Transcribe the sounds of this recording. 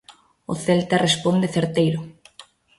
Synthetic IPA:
ʊθelt̪arespond̪eθeɾt̪ejɾʊ

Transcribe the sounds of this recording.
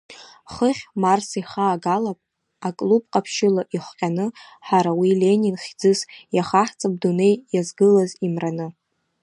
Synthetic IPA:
χəχʲmarsiχaːɡalapʼ | akʼlup̚ʼqʼapʰʃɪlaʔiχʷqʲʼanɨħaɾawile̞nʲinχʲd͡zɨsjaχaħt͡sʼab̚dune̞jjazɡɨlazimranɨ

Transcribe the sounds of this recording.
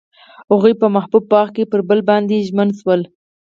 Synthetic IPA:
aɣujpəmahbub̚pːɑxkepəɾbəlbɑnd̪eʒmənswəl

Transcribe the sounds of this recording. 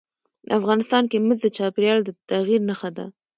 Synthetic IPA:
afɣɑnɪst̪ɑnkeməzd̪ət͡ʃɑpeɾjɑld̪ət̪aɣiɾnəxad̪a̰

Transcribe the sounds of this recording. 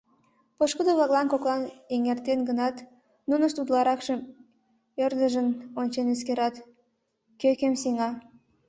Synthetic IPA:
poʃkud̪oβɑɣlɑnkoklɑneŋert̪enɡənɑt̪ | nunəʃt̪ud̪lɑɾɑkʃəm | ørd̪əʒənonʲt͡ɕeneskeɾɑt̪ | køkemsiŋɑ

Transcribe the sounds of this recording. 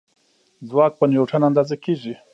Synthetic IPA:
zwaːk̚pənjoʈ͡ʂʰanand̪azekiʐi

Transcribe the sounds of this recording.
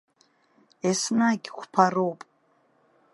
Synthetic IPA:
esnaɡʲxʷpʰarowpʼ

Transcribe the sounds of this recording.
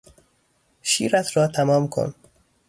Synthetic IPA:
ʃiːɾæt̪ʰɾɒːt̪ʰæmɒːmkʰo̰n

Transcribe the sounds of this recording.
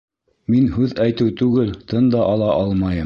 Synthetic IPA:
minɦʉðæjt̪ɘwt̪ʉɡɘlt̪ɤnd̪ɑʔɑlˠɑʔɑlˠmɑjɤ

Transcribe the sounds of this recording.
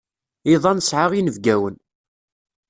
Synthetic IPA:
iðˤɑnsʕaʁinəvɡæwən

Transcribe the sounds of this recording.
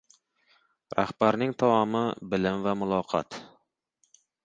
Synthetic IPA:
ɾʔæ̰hb̥æɾnɪŋt̪ʰɑwɑmɨbɪlɪmvɛmulˠɑːqʰɑ̰t̪

